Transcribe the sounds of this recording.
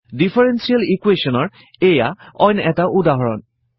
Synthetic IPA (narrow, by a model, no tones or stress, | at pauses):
dipʰɔɹensialikwesɔnɔɹ | ejaɔjnɛtaʔudaɦɔɹɔn